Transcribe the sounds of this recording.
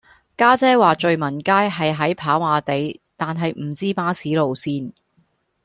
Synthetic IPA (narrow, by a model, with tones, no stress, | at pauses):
kaː˥t͡sɛː˥waː˨t͡ʃɵ˨ɥmɐ˨˩nkaː˥jɦɐ˨jɦɐ˨˥jpʰaː˨˥waː˨˧t̪e˨˧jt̪aː˨nɦɐ˨jm̩˨˩t͡siː˥paː˨˥siː˨˥lo˨wsiː˥n